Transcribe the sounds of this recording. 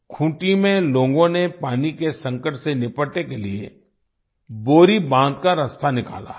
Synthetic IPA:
kʰũːʈimẽloːɡõnepaːnikesɐ̃ŋkəʈsenɪpəʈekeliḛ | boːɾibãːnd̪kaɾɐst̪ʰanɪka̰ːla̰ː

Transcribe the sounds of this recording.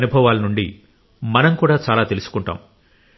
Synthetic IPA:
nubʱɐʋaːlɐnuɳɖḭ | mɐnɐmkuːɽaːt͡ʃaːlaːt̪elusu̥kuɳʈa̰ːm

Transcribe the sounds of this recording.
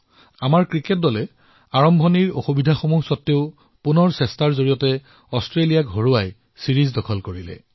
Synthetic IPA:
amaɹkɹiket̚dɔlɛ | aɹɔmbʱɔniɹo̰xubidʱaxomusɔtːeʊ | punɔɹsɛstaɹzoɹijɔtɛ | ɔstɹelijakɦoɹuwaj | siɹizdɔkʰɔlkoɹilɛ̰

